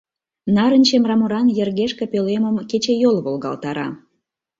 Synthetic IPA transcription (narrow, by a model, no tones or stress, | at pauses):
nɑɾənʲt͡ɕemrɑmoɾɑnjerɣeʃkĕpøleməmket͡ɕejolβolɣɑ̰lt̪ɑɾɑ̰